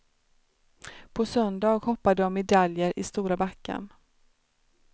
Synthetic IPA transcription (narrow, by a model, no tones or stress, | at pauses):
pʰɔsœnd̪ɑːɡhɔpːad̪əɔmːɛd̪aljəɾɪst̪uːɾabakːa̰ɳ